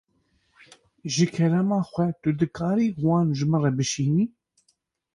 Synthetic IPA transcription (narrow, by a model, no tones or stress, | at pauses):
ʒɨkʰɛɾɛmɑːxʷɛt̪ʊd̪ɨkʰɑːɾiːwɑːnʒɨmɨrɛbɨʃiːniː